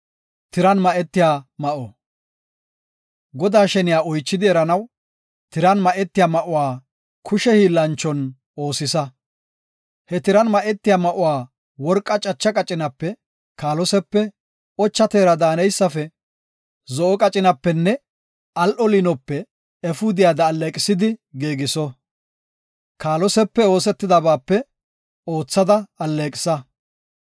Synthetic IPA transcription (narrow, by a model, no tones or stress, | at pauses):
t̪ɪɾɐnmɐʔɛt̪ːɪjaːmɐʔɔ | ɡɔd̪aːʃɛnɪjaːɔjt͡ʃːɪd̪ɪɛɾɐnɐw | t̪ɪɾɐnmɐʔɛt̪ːɪjaːmɐʔʊwaː | kʰʊʃɛhiːlːɐnt͡ʃːɔn | o̞ːsɪsɐ | hɛt̪ɪɾɐnmɐʔɛt̪ːɪjaːmɐʔʊwaː | wɔɾkʼːɐt͡ʃʼɐt͡ʃːɐkʼɐt͡ʃʼɪnɐpːɛ | kaːlɔsɛpːɛ | ɔt͡ʃːɐt̪eːɾɐd̪aːnɛjsːɐfɛ | zɔʔɔkʼɐt͡ʃʼɪnɐpːɛnːɛ | ɐlʔɔlɪnɔpːɛ | ɛfʊd̪ɪjaːd̪ɐːlːeːkʼɪsɪd̪ɪɡeːɡɪsɔ | kaːlɔsɛpːɛo̞ːsɛt̪ːɪd̪ɐbaːpːɛ | o̞ːt͡sːɐd̪ɐɐlːeːkʼɪ̥sɐ